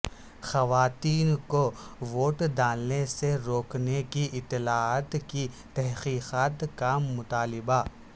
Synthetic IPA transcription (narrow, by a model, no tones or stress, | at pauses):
xɐʋaːt̪iːnkoʋoːʈd̪aːlneseɾoːknekiʔɪt̪ːɪlaːaːt̪ki | t̪ɛɦqiːqaːt̪kamʊt̪aːlɪba